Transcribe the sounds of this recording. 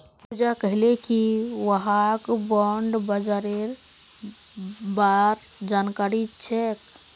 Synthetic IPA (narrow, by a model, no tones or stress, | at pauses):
pud͡ʒakəɦilekiʋəɦakbɔɳɖbəd͡ʒaɾeɾ | baɾ | d͡ʒankaɾit͡ʃʰɛk